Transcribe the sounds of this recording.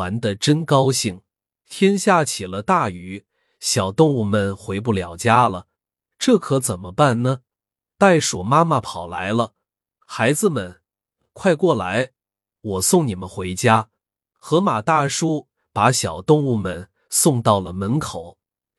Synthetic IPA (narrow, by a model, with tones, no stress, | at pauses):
a˧˥nd̪ə˧ʈ͡ʂə˥nkɑ˥ʊɕi˥˩ŋ | t̪ʰjɛ˥nɕja˥˩t͡ɕʰi˨˩lə˦t̪a˥˩y˧˥ | ɕjɑ˨˩ʊt̪ʊ˥˧ŋu˥˩mə˨˩nxwe˧˥ɪp̬u˥˩ljɑ˨˩ʊt͡ɕja˥lə˨ | ʈ͡ʂɤ˥˩kʰɤ˧˥t͡sə˨˩nmə˦pa˥˩nnə˩ | t̪a˥˩ɪʂwɔ̰˨˩ma˥ma˨pʰɑ˨˩ʊla̰˧˥ɪlə˧ | xa˧˥ɪd͡zɹ̩˧mə˩n | kʰwa˥˧ɪkwɔ˥˩la˧˥ɪ | wɔ˨˩sʊ˥˩ŋni˨˩mə˦nxwe˧˥ɪt͡ɕja˥ | xɤ˧˥ma˨˩t̪a˥˩ʂu˥ | pa˧˥ɕjɑ˨˩ʊt̪ʊ˥˧ŋu˥˩mə˨˩n | sʊ˥˧ŋt̪ɑ˥˩ʊlə˩mə˧˥nkʰo˨˩˦ʊ